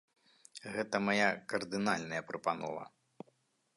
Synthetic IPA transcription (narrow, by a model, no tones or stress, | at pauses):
ɣɛt̪ɐmajakɐrd̪ɨnalʲnɐjɐpɾɐpanɔ̰vɐ̰